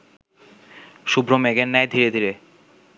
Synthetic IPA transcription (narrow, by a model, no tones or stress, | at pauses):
ʃubʱɾomeɡennɛjd̪ʱiɾed̪ʱiɾe